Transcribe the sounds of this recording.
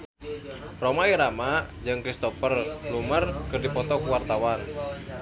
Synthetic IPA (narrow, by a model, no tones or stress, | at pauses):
romaiɾamad͡ʒɨŋkɾist̪ɔfərlumərkɨrdipɔt̪ɔkuwart̪awan